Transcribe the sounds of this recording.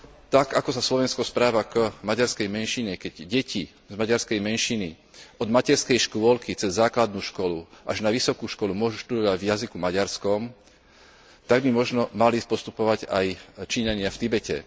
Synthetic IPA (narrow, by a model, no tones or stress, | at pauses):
t̪aɡakɔsaslɔʋɛnskɔspɾaːʋakmaɟaɾskɛjmɛnʃiɲɛkɛɟɟɛcʰi | zmaɟaɾskɛjmɛnʃini | ɔd̪macɛɾskɛjʃkʊɔlkit͡sɛzːaːklad̪̚nuːʃkɔluʔaʒnaʋisɔkuːʃkɔlumʊɔʒuʃt̪ud̪ɔʋaɟvjazikumaɟaɾskɔm | t̪aɡ̚bimɔʒnɔmalipɔst̪upɔʋaɟajt͡ʃiːɲaɲɪaft̪ibɛcɛ̰